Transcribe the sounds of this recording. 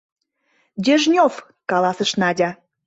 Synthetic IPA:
d̪ʲeʒnʲof | kɑlɑsə̆ʃnɑdʲɑ

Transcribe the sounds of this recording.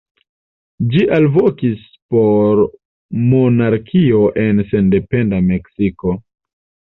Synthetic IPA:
d͡ʒiʔalvokis | po̞ɾ | monaɾkʰio̞ʔe̞nse̞nde̞pe̞ndame̞ksiko̞

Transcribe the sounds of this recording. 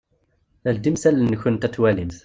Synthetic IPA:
æld̪imsælːnːəçʊnt̪æt̪wælimθ

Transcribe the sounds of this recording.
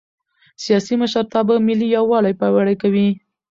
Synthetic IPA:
sijɑsiməʃəɾt̪ɑbamɪlːijawɑlajpawaɽajkawi

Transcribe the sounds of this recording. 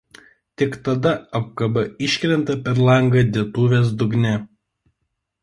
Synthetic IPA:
t̪ʲɪkt̪ɐd̪ɐɐp̚kɐbɐɪʃʲkʲɾʲɛnt̪ɐpʲɛɾlˠɐŋɡɐd̪ʲiɛt̪uːʋʲeːs̬d̪ʊɡnʲɛ

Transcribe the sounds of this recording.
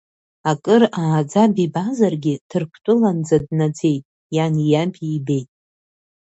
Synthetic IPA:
akʼɨraːd͡zabibazarɡʲɪdtʰɨrkʷʰtʷʼʊland͡zadnad͡ze̞jtʼ | janijapʰiːbe̞jtʼ

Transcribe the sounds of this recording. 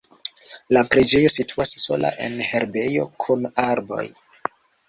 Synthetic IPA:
lapɾed͡ʒe̞jo̞sitʰuasːo̞la̰ʔe̞̰nhe̞ɾbe̞jo̞kʰunaɾbo̞̰j

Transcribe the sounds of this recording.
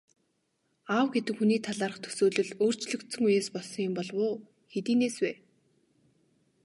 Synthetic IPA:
awɡet̪ɘ̆kxuniːt̪ʰaɮaːɾə̆χt̪ʰɵ̥soːɮɵ̆ɮoːr̥t͡ɕɮɵ̆kt̪sɵ̆ŋujeːspɔɮsɞ̆ŋjʊ̆mpɔɮwʊː | xet̪iːneːswæː

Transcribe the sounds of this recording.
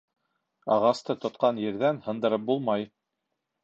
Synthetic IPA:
ɑʁɑst̪ɤt̪ŏt̪qɑnjɘ̆ɾðænhɤ̆nd̪ɤ̆ɾɤp̚bulˠmɑj

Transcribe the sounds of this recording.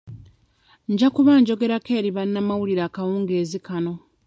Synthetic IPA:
ɲɟakuβaɲɟo̞ɡe̞ɾakeːɾiβanːamawuliɾaːkawuːŋɡeːzikano̞

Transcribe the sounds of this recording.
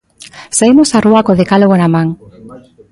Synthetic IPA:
saimosaruakoðekaloɣonamãŋ

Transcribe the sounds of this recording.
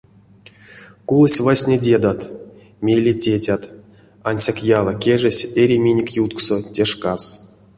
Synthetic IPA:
kulˠəsʲvasʲnʲedʲe̞d̪at̪ | mʲelʲetʲetʲat̪ | anʲsʲakjalˠakʲeʐɛsʲeɾʲimʲinʲekʲjut̪ksotʲeʂkas

